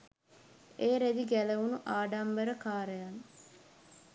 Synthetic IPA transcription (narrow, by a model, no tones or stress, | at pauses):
eːɾed̪iɡæləʋunuʔaːɖamʋəɾəkaːɾəjaŋ